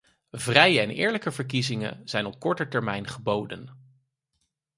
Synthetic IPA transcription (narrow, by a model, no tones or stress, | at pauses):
vrɛjəɛnɪ̰ːɹləkəvəɹk̬izɪŋə̰z̥ɛjnɔp̚kɔɹtətɛɹmɛjnχəbowdən